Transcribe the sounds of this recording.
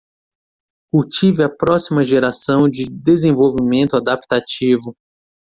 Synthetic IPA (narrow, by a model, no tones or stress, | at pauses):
kuwt͡ʃivɪɐpɾɔsimɐʒeɾasɐ̃w̃d͡ʒɪd̪ezẽvowvimẽnt̪ʊad̪apt̪at͡ʃivʊ